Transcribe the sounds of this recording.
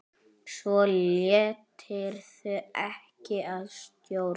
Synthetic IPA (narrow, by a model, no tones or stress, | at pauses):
svɔljɛːt̪ʰɪɾ̥θʏɛhcɪaðst̪jow